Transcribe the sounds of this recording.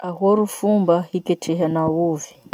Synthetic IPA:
aɦɔɾufumbahikɛt͡ʃʰɛɦanawuvi

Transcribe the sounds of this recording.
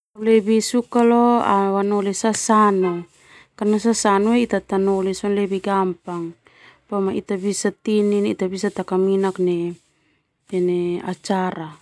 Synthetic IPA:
lebisukaloa̰wanolesasano | kanasasanoeit̪at̪anolesonlebiɡampaŋ | pamait̪abisat̪ininit̪abisat̪akaminakne | eneat͡ʃaɾa

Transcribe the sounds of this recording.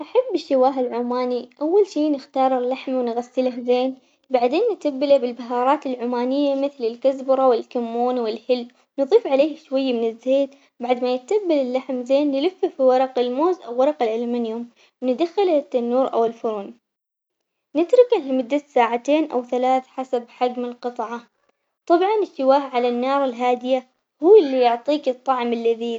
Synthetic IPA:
ʔaħabːɪʃɪwaːɦɪlʕumaːniʔawːalʃiːnɪxt̪ɑːɾˤɪlːaħmawnɣasːɪlahzeːn | baʕd̪eːnːɪt̪abːɪlabɪlbaɦɑːɾˤɑːt̪ɪlʕuːmaːnɪjːamɪθlɪlkazbʊɾˤɑwɪlkamːuːnwɪlhɪl | nɨðˤiːfʕaleːhʃwajːamɪnɪzːeːd̪ | baʕd̪majɪt̪abːalɪlːaħmzeːnːɪlʊfːafiwɑɾˤɑqɪlmoːzʔawːɑɾˤɑqɪlʕɪlmanjʊm | wnɪd̪axɪlt̪ːanːuːɾʔa̰wɪlfʊɾuːn | nɪt̪ɾɪkalmʊd̪ːasaːʕat̪eːnʔawθalaːθħasabħad͡ʒmɪlqɨt̪ˤʕɑ | t̪ˤɑbʕɑnɪʃːɪwaːhʕalanːɑːɾˤɪlɦaːd̪ɪja | huːlːijʊʕt̪ˤiːkɨt̪ˤːɑʕmɪlːaði

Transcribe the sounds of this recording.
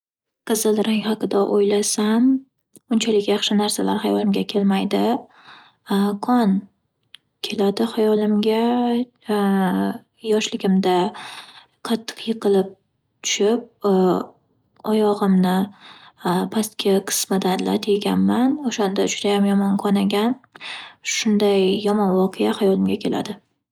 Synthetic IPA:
qʰɨzɨlˠɾaŋʲhɑqʰɨd̪aʔojlasam | ʊnt͡ʃʰalɪkʲjɑχʃɪnaɾsala̰ɾhajɒlˠɪmɡʲakʲʰe̞lmajd̪ɪ | kʰɒn | kʲʰe̞lad̪ɪhajɒlɪmɡʲa | jɒʃlɪɡʲɪmd̪a | qʰɑt̪ʰːɨ̥qjɨqʰɨlɪp̚ | t̪ʰʊ̥ʃɪp̚ | ɒjɒʁɨmnɪ | pʰast̪kʲʰaqʰɨ̥smad̪anla̰t̪ʰeɡʲa̰nmanoʃand̪ad͡ʒʊd̪ajamjɒmɒnqʰɒnaɡʲan | ʃʊnd̪ajːɒmɒnwɒqʰejahajɒlɪmɡʲakʲʰe̞lʔa̰d̪ɪ

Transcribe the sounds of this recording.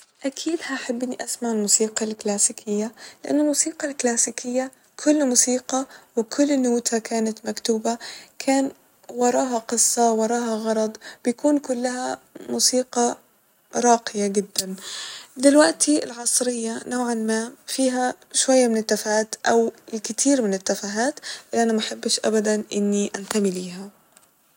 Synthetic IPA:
ʔakʰiːd̪haħabːɪnːiʔasmaʕɪlmuːsiːqɑlklaːsiːkʰɪjːalɪʔa̰nːʊlmuːsiːqɑlklaːsiːkɪjːa | kʰʊlːmuːsiːqɑwɪkʰʊlːnuːt̪hakaːnat̪makt̪uːbakʰaːn | wɑɾˤɑːɦɑqɨsˤːɑwɑɾˤɑːɦɑɣɑɾˤɑd̪ˤbɪjakuːnkʊlːaɦhamuːsiːqɑ | ɾˤɑːqɪjaɡɪd̪ːamd̪ɪlwaʔt̪ʰiɪlʕɑsˤɾɪjːanoːʕanmaːfiːɦa | ʃwajːamɪnɪt̪ːafaːt̪ʔawlkɪt̪ʰiːɾmɪnɪt̪ːafaɦaːt̪ʔɪlːʔanamaʔaħabːɪʃʔa̰bad̪anʔɪnːiʔant̪amɪliːɦa

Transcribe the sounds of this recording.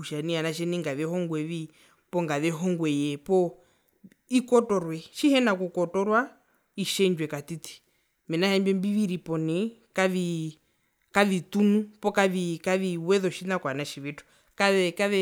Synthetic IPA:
uʃanianaʃ̬ɛniŋɡaʋɛhɔŋɡwɛʋi | pɔŋɡaðɛɦɔŋɡwɛjɛpɔ | ikɔtɔɾwɛʃihɛnakukɔtɔɾwa | iʃɛnd͡ʒwɛkat̪itʰi̥ | mɛnahɛmbɛmbiʋiɾipɔnɛkaʋi | kaʋitunupɔkaʋikaʋiwɛðɔʃinakwanaʃiʋitu̥ | kaɛkaʋɛ

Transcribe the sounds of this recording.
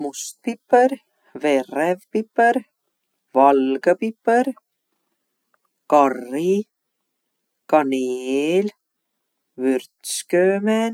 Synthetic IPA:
must̪̚pipːəɾ | veɾevpipːəɾ | vɑlɡəpipːəɾ | kɑrːi | kɑneːl | vyrt̪skøːmen

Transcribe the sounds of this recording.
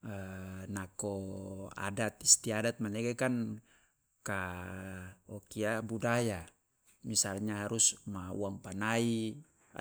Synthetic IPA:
ənakɔa̰dat̪ist̪iadat̪̚manɛkɛkan | ka | ɔkiabudaja | misalɲaɦaɾusmaṵaŋpanaḭ

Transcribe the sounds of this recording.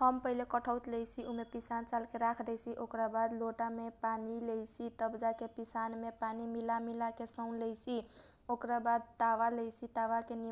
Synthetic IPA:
həmpəɦilekəʈʰəwt̪lɛjt͡ʃʰiʔumepisant͡ʃalkeɾakʰd̪ɛjt͡ʃʰiʔokɾabad̪loʈamepanilɛjt͡ʃʰit̪əbd͡ʒakepisanmepanimilamilakesəʊnlɛjt͡ʃʰi | okɾabad̪̚t̪aʋalɛjt͡ʃʰit̪aʋakeni

